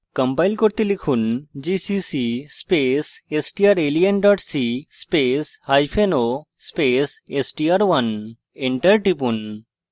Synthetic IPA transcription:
kəmpajlkoɾt̪elikʰund͡ʒisisispesesʈiaɾelienɖɔʈsispeshajpʰeno | spesesʈiaɾwɐn | eɳʈəɾʈipun

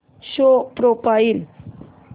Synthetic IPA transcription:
ɕopɾopail

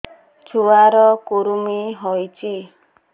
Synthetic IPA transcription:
t͡ʃʰuaɾɔkuɾumiɦɔjt͡ʃʰi

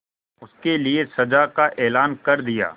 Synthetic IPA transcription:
ʊskeliesɐd͡ʒakaʔeːlaːnkɐɾd̪ija̰ː

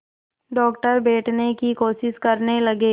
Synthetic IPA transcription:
ɖɔːkʈəɾbeːʈnekikoːʃɪskəɾnelɐɡeː

